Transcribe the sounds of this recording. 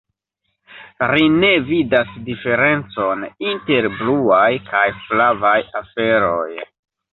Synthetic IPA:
ɾine̞vidasdife̞ɾe̞nt͡so̞ninte̞ɾbluajkajflavajafe̞ɾo̞̰j

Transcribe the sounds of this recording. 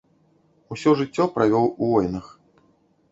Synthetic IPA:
usʲɔʐɨt͡sʲːɔpɾavʲɔwuvɔjnɐx

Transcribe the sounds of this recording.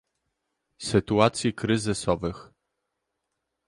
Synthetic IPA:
sɘt̪uat̪sʲjikɾɘzɘsɔvɘx

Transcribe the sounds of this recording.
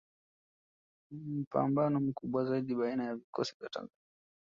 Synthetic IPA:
m̩pa̰mbanɔm̩kuɓwazaiɗiɓainajavikʰɔsivjata̰ŋza

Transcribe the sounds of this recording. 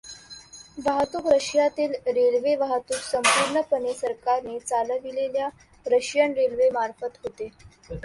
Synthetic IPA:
ʋaɦt̪uːkɾəɕjat̪iːlɾelʋeʋaɦat̪uːksəmpuɾɳəpənesəɾkaɾnet͡saləʋilelja | ɾəɕjanɾelʋemaɾfət̪ɦot̪e

